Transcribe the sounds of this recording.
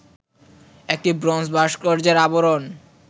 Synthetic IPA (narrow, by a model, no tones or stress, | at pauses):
ek̚ʈibɾonsbaʃkoɾd͡ʑeɾaboɾon